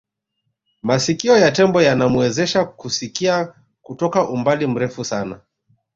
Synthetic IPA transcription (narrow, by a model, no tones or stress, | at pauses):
masikiɔjatɛmbɔjanamuɛzɛʃakusikia | kutɔkaʔumbalim̩ɾɛfusana̰